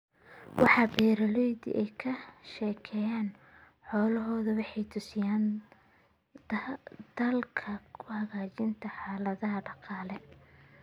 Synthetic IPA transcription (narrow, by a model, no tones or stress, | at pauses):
wʔɑ̰ħɑːbɛːɾɐlɔjðḭʔɛjkʰɐʃɛːkʰɛːjaːn | ħɔːlɐɦɔːðʊwɑħɑjt̪ʰʊsɪjaːn | d̪̥ɐlkʰɐkʰʊhɐɣaːt͡ʃɪnt̪ʰɐħɑːlɐðɐɦɐɖɑqɑːlɛ